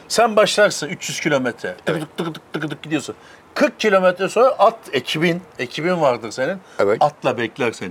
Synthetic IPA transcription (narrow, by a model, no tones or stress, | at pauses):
sænbaʃlˠaɾsɯnyt͡ʃjyz̥cʰilʲo̞mɛt̪ʰɾɛt̪ʰɯk̪ɯk̚t̪ʰɯkɯlɯk̚t̪ʰːɯkɯlɯk̚ɟid̪ijo̞sun | kʰɯɾk̚cʰilʲo̞mɛt̪ɾɛso̞nɾaʔat̪ʰe̞cʰibine̞cʰibinvaɾd̪ɯɾse̞nin | ɛvɛat̪ʰlˠabɛclʲæɾseni